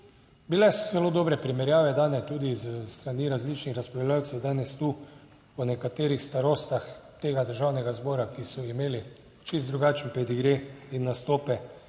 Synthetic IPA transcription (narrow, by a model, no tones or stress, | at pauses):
bilɛsɔ̥zɛloːd̪oːbɾɛpɾimɛɾjaːʋɛd̪aːnɛt̪uːd̪izst̪ɾaniɾazlit͡ʃnixɾaspɾlljaːwt̪sɛwd̪aːnɛst̪uː | ɔnɛkat̪eːɾixst̪aɾoːst̪axt̪eːɡad̪əɾʒaːwnɛɡazbɔːɾakisɔimeːli | t͡ʃizt̪ɾuɡaːt͡ʃnpɾɛd̪iɡɾeinːast̪oːpɛ